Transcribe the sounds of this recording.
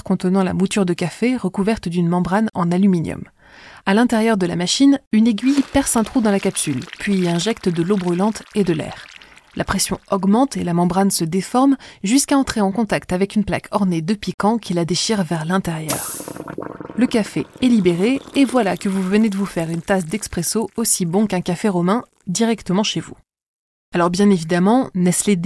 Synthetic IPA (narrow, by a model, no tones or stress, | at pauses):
kɔ̃t̪ənɑ̃la̰mut̪yʁd̪əkafeʁəkuvɛʁt̪d̪ynmɑ̃bʁanɑ̰̃nalyminjɔ̰m | alɛ̃t̪ɛʁjœʁd̪əla̰maʃinyneɡʲɥijpɛʁsɛ̃t̪χud̪ɑ̃lakapsylpɥiɛ̃ʒɛkt̪d̪əlobʁylɑ̃t̪ed̪əlɛ̰ːʁlʔapχesjɔ̃ɔɡmɑ̃t̪elamɑ̃bʁansəd̪efɔʁmʒyskaɑ̃t̪χeɑ̃kɔ̃t̪akt̪avɛkynpla̰kʰɔʁned̪əpikɑ̃kʰʲilad̪eʃiʁvɛʁlɛ̃t̪eʁjœ̰ːʁ | ləkafeɛlibeʁeːvwalakəvuvəned̪əvufɛʁynt̪asd̪ɛkspχesoosibɔ̃kɛ̃kafeʁɔmɛ̃ | d̪iʁɛkt̪əmɑ̃ʃevu | alɔʁbjɛ̃nevid̪amɑ̃nɛsled̪